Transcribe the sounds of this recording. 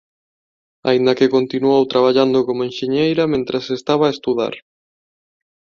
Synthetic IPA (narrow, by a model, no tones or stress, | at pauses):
a̰ind̪ɐkekont̪inuowt̪ɾaβ̞aʎand̪okomoenʃeɲejɾɐmẽnt̪ɾɐsest̪aβ̞aːest̪uða̰ɾ